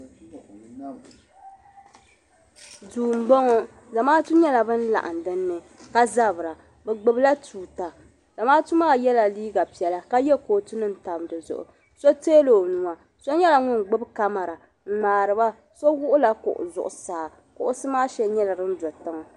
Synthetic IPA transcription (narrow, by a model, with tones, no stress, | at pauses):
duː˨m̩˨bɔ˦ŋɔ˦ | za˨maː˦tu˦ɲɛ˦la˨bɨ˦n̩˦la̰˨ʔa˨n˨dɨ˦nː˦ɨ˨ | ka˦za˦bɨ˨ɾa˨ | bɛ˨ɡ͡bɨ˨bɨ˦la˦tʰuː˨ta˨ | z̥a˨maː˦tu˦maː˦jɛ˦la˨liː˦ɡa˨pi˨ɛ˨la˨ka˦jɛ˦koː˨tu˦nɨ˦n̩˨ta˨m˨dɨ˨zʊ̰˨ʔʊ̰˨ | so˦teː˦lo˨nu˨ŋa˨ | so˦ɲɛ˦la˨ŋʊ˦nɡ͡bɨ˦bka˦ma˨ɾa˨ | ŋ͡m̩˦˨ŋ͡maː˨ɾɨ˨ba˦ | so˦wʊ˦ʔʊ˦la˨kʊ̰˨ʔʊ̰˨zʊ̰˨ʔʊ˨saː˨ | kʊ˨ʔʊ˦sɨ˦maː˦ʃɛ˦ɲɛ˦la˨ɾɨ˦n̩˦dɔ˨tɨ˦ŋɔ˨